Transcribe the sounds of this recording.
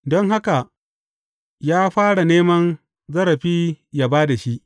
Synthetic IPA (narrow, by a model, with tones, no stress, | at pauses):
dɔ˦ŋɦa˦ka˨ | jaː˦ɸaː˦ɽa˨neː˦mɐ˦n | zɐ˦ɾɐ˨ɸiː˦ja˨baː˦da˨ʃi˦ʔ